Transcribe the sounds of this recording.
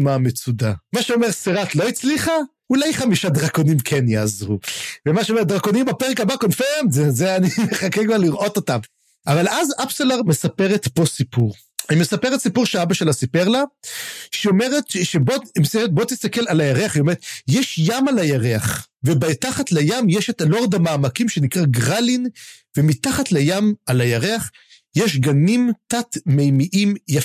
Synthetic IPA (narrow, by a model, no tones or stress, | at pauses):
mamet͡sudamaʃeomeʁseʁat̪lo̞it͡sliχa | ulajχamiʃadʁakonimkʰenjaːzʁuvemaʃeome̞t̚d̪ʁako̞nimbapeʁekabakonfeʁmtzezeanimeχakekvaʁliʁʔo̞to̞tav | ʔavalazapselaʁmesapeʁet̪po̞sipuʁ | imesapeʁet̪sipuʁʃeaabaʃelasipeʁla | ʃeome̞ʁet̪ʃebomseet̪̚bo̞t̪ist̪akelalajaʁeaχio̞meʁet̪jeʃjamalajaʁeaχvebataχatlajamjeʃetalo̞ʁd̪amaːmakimʃe̞nikʁaɡʁalin | vemitaχatlejamalajaʁeaχ | jeʃɡanimtatmejmiʔimja